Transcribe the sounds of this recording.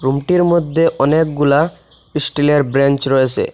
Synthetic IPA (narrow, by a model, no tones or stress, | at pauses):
ɾumʈiɾmod̪ʱːeʔɔnek̚ɡula | isʈileɾbɾent͡ɕɾɔet͡ɕʰḛ